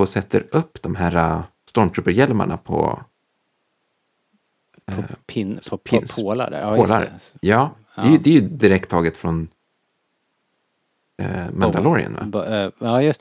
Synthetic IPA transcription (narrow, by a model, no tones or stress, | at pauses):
ɔsɛt̪ʰːəɾɵpːd̪ɔmɦæːɾa | st̪ɔmʈ̪ʰɾɵpːəɾjɛlma̰ɳapʰɔ̰ | la̰poːla̰ɾjɑ̥ː | ɛjd̪ɛæjɵd̪ɪɾɛk̚t̪ʰːɑːɡət̪fɾɔn | mɛnd̪alɔɾɪ̰ə̰nva̰ɑj